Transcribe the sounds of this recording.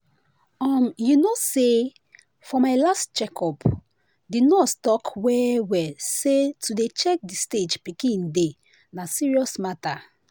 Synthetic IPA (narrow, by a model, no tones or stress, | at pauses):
ɔmjunose | fɔmaɪlastt͡ʃɛkʰɔp | dinɔttɔkwɛwɛsetudet͡ʃɛk̚disted͡ʒpikĩnde | nasiɹiɔsmata